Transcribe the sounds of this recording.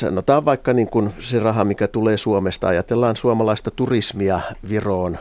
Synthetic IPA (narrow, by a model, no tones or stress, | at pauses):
sɑ̰not̪ɑːʋʋɑikːɑniːŋkunserɑɦɑmikæt̪uleːsuomest̪ɑɑjɑt̪elːɑːnsuɑmɑlɑist̪ɑt̪urismiɑʋiroːn